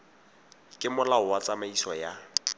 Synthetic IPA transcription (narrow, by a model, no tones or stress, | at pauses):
kʼɪmʊlaʊwat͡sʼamaisɔja